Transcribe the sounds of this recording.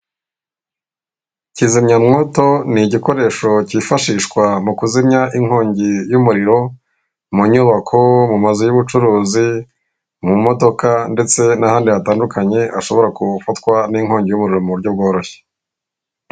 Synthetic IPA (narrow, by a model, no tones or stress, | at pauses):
cizimɲamŋo̞to̞niɟiko̞ɾe̞ːʃo̞cifaʃiːʃkwamukuzimɲaʔiŋho̞ːɲɟejumuɾiɾo̞ | muɲuβakʰo̞mumazojuβut͡ʃuɾuːzi | mumo̞do̞kande̞t͡se̞nahaːndijataːndukaɲe̞ʔaʃo̞βo̞ɾakufatkwaniŋɦo̞ːɲɟejumuɾiɾo̞muβuɾɟob̚ɡo̞ːɾo̞çe̥